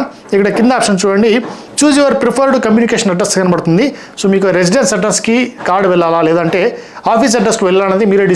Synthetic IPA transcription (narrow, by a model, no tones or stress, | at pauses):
ikːɐɽɐkind̪ɐaːpʂɐnt͡ʃuːɽɐɳɖi | t͡ʃuːd͡ʒiʋɐɾpɾipʰɐɾɖukɐmjuːnikeːʃɐnɐɖɾɐsʈskɐnɐbɐɽt̪und̪i | soːmiːkuɾes̬iɖensɐɖːɐnskikaːɾɖuʋɛɭːaːlaːleːd̪ɐɳʈe̞ːaːpʰiːs̬ɐɖːɐsʈʋɛɭːaːɐnɐd̪imiːɾeɖi